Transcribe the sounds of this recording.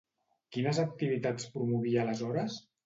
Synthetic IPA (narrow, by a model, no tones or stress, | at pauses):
kinəzək̚t̪iβ̞it̪at͡spɾumuβialəzɔɾəs